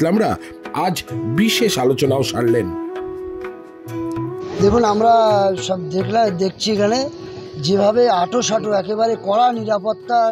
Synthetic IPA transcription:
lamɾa | ad͡ʑbiʃeʃalot͡ɕonaoʃaɽlen | d̪ekʰunamɾaʃɔbd̪ekʰlad̪ek̚ʰt͡ɕʰikɛne | d͡ʑebʱabeaʈoʃaʈoɛkeβaɾekɔɽaniɾapot̪ːa

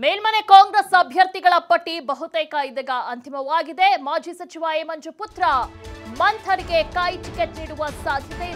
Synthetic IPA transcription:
meːlmɐnekaːŋɡɾesɐbʱjɐɾt̪iɡɐɭɐpɐʈːibɐɦut̪ɛːkɐid̪ɐɡɐʔɐnt̪imɐʋaːɡid̪emaːd͡ʒiːsɐt͡ʃiʋaːeːmɐɲd͡ʒuput̪ɾɐmɐnt̪ʰɐɾiɡe̞kɐjʈikeʈniːɽuʋɐsaːd̪ʱjɐt̪e

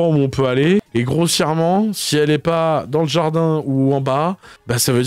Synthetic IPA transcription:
ɑ̃uɔ̃pøaleːɡʁosjɛʁmɑ̃siɛlɛpad̪ɑ̃ləʒaʁd̪ɛ̃uɑ̃babɛsavød̪

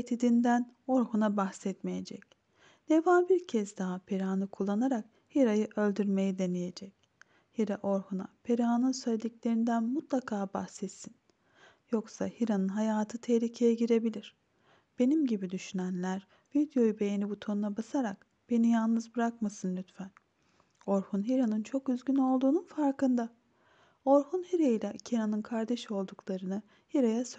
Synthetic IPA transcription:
t̪ʰid̪ind̪æno̞ɾhunabaxsɛt̪meje̞d͡ʒɛc | d̪̥evanbiɾcʰɛzd̪aɦapʰeɾaːnɯkʰulˠːanaɾak | hiɾajɯʔø̞lʲd̪yɾme̞jid̪e̞neje̞d͡ʒɛc | hiɾaʔo̞ɾhuna̰pʰeɾaːnɯnsøjʲd̪iclʲe̞ɾind̪ænmut̪lˠakʰaːbaxsɛt̪sin | joksahiɾanɯnɦajaːt̪ʰɯt̪ʰehlʲicʰe̞jɛɟiɾe̞bilʲiɾ̥ | b̥e̞nimɟibid̪yʃynænlʲæɾ | vid̪jo̞jube̞jenibut̪ʰonunabasaɾak̚ | b̥e̞nijalˠnɯzbɯɾakmasɯnlʲyt̪fæn | o̞ɾhunɦiɾanɯnt͡ʃʰo̞kyzɟʲyno̞lˠd̪uːnunfaɾkɯnd̪a | o̞ɾhunhiɾejilʲɛcʰiɾanɯnkʰaɾd̪eʃo̞lˠd̪uklˠaɾɯnɯ | hiɾajasø

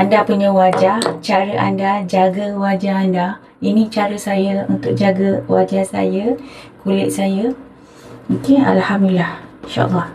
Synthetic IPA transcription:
ʔandapuɲãwad͡ʒat͡ʃaɾəʔa̰ndad͡ʒaɡəwad͡ʒaɦanda | inĩt͡ʃaɾəsajəunt̪ʊk̚d͡ʒaɡəwad͡ʒahsa̰jəkulɪʔ̚sajə | mukɪna̰lhamduilahinʃa̰ʔlːɑh

